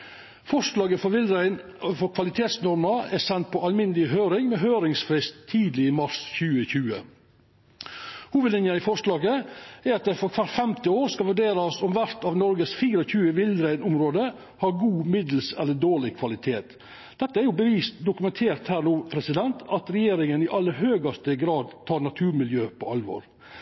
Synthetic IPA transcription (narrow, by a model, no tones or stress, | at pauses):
fɔʂlɑːɡəfɔʋɪlɾæɪnfɔɾkʰʋɑlɪt̪ʰeːt̪snɔɾməɛsɛnt̪̚pʰɔɑlmɪnːəlɪɦøːɾɪŋmɛːɦøːɾɪŋsfɾɪst̪ʰːiːd̪lɪmɑɾsçʉːəçʉːə̰ | huːʋəd̪lɪnjɑnɪfɔʂlɑːɡəæɾɑt̪̚d̪ɛfɔɾkʰʋɑɾfɛmt̪ɪoːɾskɑʋʉɖeːɾɑsɔmʋæɾt̪ɑːʋnɔɾɡəsfiːɾəɔçʉːəʋɪlɾæɪnʊmɾoːd̪ə | hɑːɾɡuːmɪd̪l̩sɛ̰lːəɖoːɭɪkʰʋɑlɪt̪ʰeːt̪ | d̪̥ɛt̪ːəæɾjʊbəʋiːst̪d̪ʊkʉmɛnt̪ʰeːɾt̪hæːɾnuːpʰɾɛsɪd̪ɛnt̪ʰɑt̪ɾɛjeːɾɪŋənɪʔɑlːəɾɦøːɡɑst̪əɡɾɑːd̪t̪ʰɑːɾnɑt̪ʰʉːɾmɪljøːpʰɔɑlʋo̰ːɾ